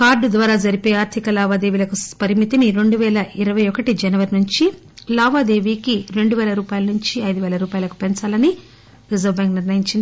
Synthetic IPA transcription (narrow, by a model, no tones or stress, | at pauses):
kaːɾɖud̪ʋaːɾaːd͡ʒɐɾipoːjaːɾt̪ʰikɐlaːʋaːd̪e̞ːʋilɐkupɐɾimit̪iniɾe̞ɳɖuʋɛːlɐʔiɾɐʋɐjɔkɐʈid͡ʒɛnɐʋɐɾinuɲt͡ʃi | laːʋaːd̪e̞ːʋiːkiɾe̞ɳɖuʋɛːlɐɾuːpaːjɐlɐnuɲt͡ʃiɐjd̪uʋɛːlɐɾuːpaːjɐlɐku̥pent͡ʃaːlɐni | ɾizɐɾbaːŋkniɾnɐjiɲt͡ʃind̪i